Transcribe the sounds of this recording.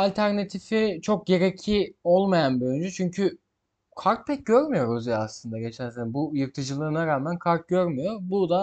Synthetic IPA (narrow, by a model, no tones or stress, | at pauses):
alʲt̪ʰæɾnat̪ʰifit͡ʃʰo̞k̚ɟe̞ɾecʰio̞lˠmajanbøjynd͡ʒyt͡ʃʰyɲcʰy | kʰaɾk̚pʰɛc̚ɟøɾmyjo̞ɾuzijaːslˠɯnd̪aɟe̞t͡ʃʰæɾsenbujɯɾt̪ʰɯd͡ʒɯlˠɯɾɯnaɾaːmænkʰaɾk̪̚ɟø̞ɾmyjo̞ɾbud̪a